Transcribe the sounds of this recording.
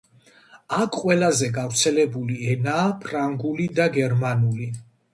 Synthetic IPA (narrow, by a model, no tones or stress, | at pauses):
akʰqʼwɛlazɛɡavɾt̪sʰɛlɛbuliɛnaːpʰɾaŋɡulid̪aɡɛɾmanuli